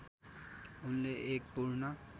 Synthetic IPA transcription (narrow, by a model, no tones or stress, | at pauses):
ʊnleʔeːk̚puɾnə